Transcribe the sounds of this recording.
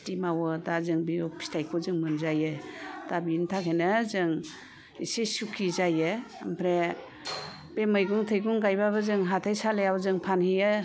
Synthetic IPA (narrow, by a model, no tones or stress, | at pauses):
timawɯdazɯŋbiɔpʰi̥stajkʰɔzɯŋmɯnzajɯdabiintʰakʰenɯzɯŋ | ḭsesukʰizajɯmpʰɾe | b̥emɯjɡuŋtʰɯjɡuŋɡajbaβɯzɯŋɦatʰajsalejawzɯŋpʰanhijɯ